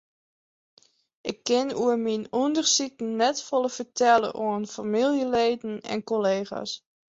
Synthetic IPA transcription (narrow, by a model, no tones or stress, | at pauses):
ʔɪkːɪnuəminundərsikn̩ːɛtfɔlˠəfəɹtɛlə̰ʔoənfamilˠjəleːdn̩ɛ̰nkoleːχa̰s